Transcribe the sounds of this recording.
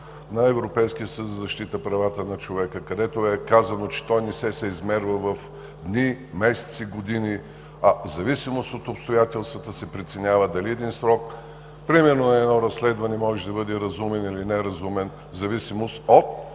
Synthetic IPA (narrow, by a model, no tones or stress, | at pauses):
nɐɛvɾopɛjskijəsət̪zəzɐʃt̪it̪əpɾɐvat̪ənɐt͡ʃovɛkəkɐd̪ɛt̪oɛkazɐnot͡ʃɛ̥t̪ɔjnɛsɛsɛizmɛɾvəvɐf | d̪nimɛsɛ̥t̪siɡod̪ini | ɐzɐvisimost̪ot̪opst̪ojat̪ɛlˠst̪vət̪əsɛpɾit̪sɛnʲavəd̪ɐliɛd̪insɾɔk̚ | pɾimɛɾnonɐɛd̪nɔɾɐsːlɛd̪vɐnɛmɔʒɛd̪ɐbɤd̪ɛɾɐzumɛnilinɛɾɐzumɛn | zɐvisimost̪ot̪̚